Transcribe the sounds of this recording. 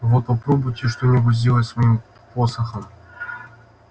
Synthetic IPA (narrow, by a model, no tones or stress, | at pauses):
vot̪̚pɐpɾobʊjtʲɪʂt̪omʲɪbɨzʲdʲelˠətʲsvɐjim | posəxəm